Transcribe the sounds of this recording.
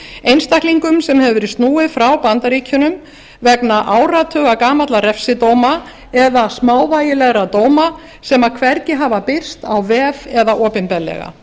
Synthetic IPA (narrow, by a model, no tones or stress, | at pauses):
ejnst̪ahkliŋkʏmsɛmhɛvʏɾɪst̪nuːɪfɾawpant̪aɾiːcʰʏnʏm | vɛknaʔaːwrat̪ʰœːɣakaːmat̪laɾɛfsɪt̪oːwma | ɛðasmaːwvaːjɪlɛɣɾat̪oːwma | sɛmaðkʰvɛɾcɪɦaːvapɪr̥st̪awvɛːvɛðaʔɔːpɪnpɛlːɛ̰ɣa̰